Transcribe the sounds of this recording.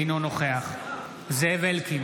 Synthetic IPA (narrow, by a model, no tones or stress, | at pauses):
nonoχeaχ | zevelkim